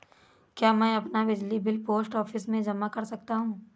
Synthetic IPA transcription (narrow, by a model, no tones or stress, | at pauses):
kjaːmɛ̃ːɐpnabɪd͡ʒlibɪlpoːsʈɔːfʰɪsmẽd͡ʒɐmakɐɾsɐk̚t̪aɦũː